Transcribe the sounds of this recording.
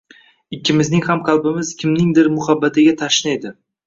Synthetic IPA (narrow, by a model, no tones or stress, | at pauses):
ɪkʲʰːɪmɪznɪŋhamqʰalˠbɪmɪzkʲʰɪmnɪŋd̪ɪɾmʊhabːat̪ʰɪɡʲat̪ʰaʃɪnejd̪ɪ